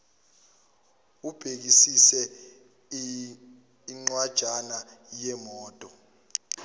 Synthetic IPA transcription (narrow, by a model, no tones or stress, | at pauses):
ub̥ʱek̬isisɛ | iŋ͡ǀwad̥ʒ̥ʱanajɛmɔːtʼɔ